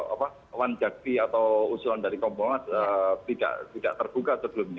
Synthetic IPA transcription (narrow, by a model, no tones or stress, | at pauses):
a̰pa | wand͡ʒak̚t̪iat̪awusulandaɾikɔmboŋaət̪ida̰ʔt̪ida̰ʔt̪ərb̥ukasəbəlʊmɲa